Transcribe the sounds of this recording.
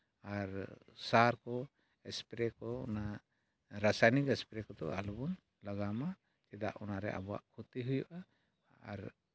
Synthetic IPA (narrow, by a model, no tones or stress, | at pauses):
aɾ | saɾkɔ | ɛspɾɛkɔɔna | ɾasajnikɛspɾɛkɔd̪ɔ̰ʔalubɔn | laɡama | t͡ʃɛd̪a̰ʔɔnaɾɛ̰ʔa̰bɔa̰ʔkʰut̪iɦujuʔa | a̰ɾ